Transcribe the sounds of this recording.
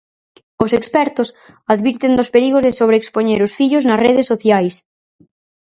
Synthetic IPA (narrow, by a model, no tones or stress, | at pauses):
osekspɛɾt̪os | aðβiɾt̪end̪ospeɾiɣozðesoβ̞ɾeːkspoɲeɾosfiʎoznasreðesːoθjajs